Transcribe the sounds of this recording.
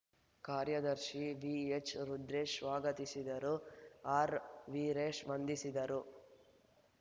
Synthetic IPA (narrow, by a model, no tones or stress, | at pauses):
kaːɾjɐd̪ɐɾʃiʋiet͡ʃɾud̪ɾeːʃʋaːɡɐt̪isid̪ɐɾuaːɾʋiːɾeːʂʋɐnd̪isid̪ɐɾu